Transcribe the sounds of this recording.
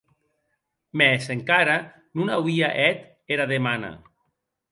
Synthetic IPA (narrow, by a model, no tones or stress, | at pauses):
mɛseŋkaɾa | nunawiaʔɛt̪ | eɾaðemana̰